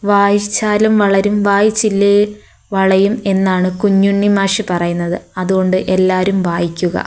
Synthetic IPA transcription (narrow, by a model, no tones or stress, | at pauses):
ʋaːjit͡ɕːaːlɐmʋɐɭɐɾumʋaːjit͡ɕːilːi | ʋɐɭɐjume̞nːaːɳɨkuɲːuɳːimaːʂipɐrɐjunːɐðɨɐðuɣo̞ɳɖɨʔe̞lːaːɾumʋaːjikʲːuɣɐ̰